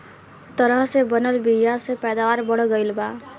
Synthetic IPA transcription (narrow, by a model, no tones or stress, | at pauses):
t̪ɔɾəɦsebənəlbiasepɛd̪awaɾbɔɽɔɡɔjlba